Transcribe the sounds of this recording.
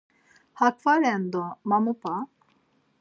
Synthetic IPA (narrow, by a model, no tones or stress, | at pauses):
hakfaɾɛnd̪ɔmamupa